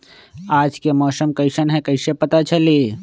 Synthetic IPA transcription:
aːd͡ʒkemɔːsəmkəɪsənɦɛkəɪsepət̪at͡ʃəleː

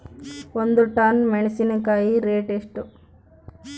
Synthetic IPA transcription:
ond̪uʈaːnmeɳisinɐkaːjiɾeːʈeʂʈu

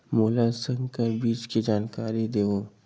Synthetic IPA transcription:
moːlasə̃ŋɡkabiːt͡ʃkid͡ʒaːnkaːɾid̪eːo

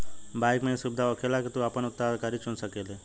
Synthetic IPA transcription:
bajkmẽsʊbd̪ʱaɔkʰelaket̪ũapəɳʊt̪ːakaɾit͡ʃũnsəkele

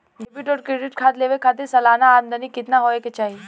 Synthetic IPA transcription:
dɪbɪʈɔːɾkɾeɖɪʈkʰaːt̪leːʋekʰaːt̪̬ɪɾsɐlaːnaːmd̪ənikɪt̪naɦoːeket͡ʃaːɦi

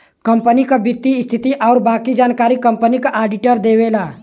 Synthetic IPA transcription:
kɐ̃mpənikabɪt̪ːist̪ʰɪt̪iʔɔːɾbaːkid͡ʒaːnkaːɾikɐ̃mpənikaʔaːɖɪʈəɾd̪eːwelaː

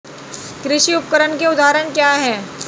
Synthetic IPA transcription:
kɾɪʃiʊp̚kəɾənkeʊd̪ʱaːɾəɳkjaːɦɛː

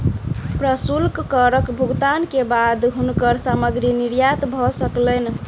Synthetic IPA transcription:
pɾəsulkkəɾəkbʱuɡt̪ankebad̪ɦunkəɾsaməɡɾiniɾjat̪bʱɔsəklɛn

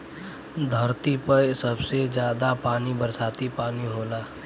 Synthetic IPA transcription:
d̪ʱəɾt̪ipəsəbsed͡ʒjaːd̪apaːnibəɾsaːt̪ipaːniɦoːlaː

